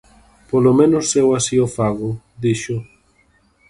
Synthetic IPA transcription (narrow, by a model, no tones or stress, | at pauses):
polomẽnʊsewasiofaɣʊ | ðiʃʊ